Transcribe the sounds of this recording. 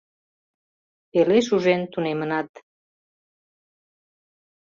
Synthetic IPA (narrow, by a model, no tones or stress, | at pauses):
peleʃ̬uʒent̪unemənɑt̪